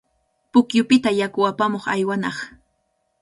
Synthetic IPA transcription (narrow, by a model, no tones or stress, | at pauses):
pʊkjʊpɪt̪ajakʊwapamoχajwanɑχ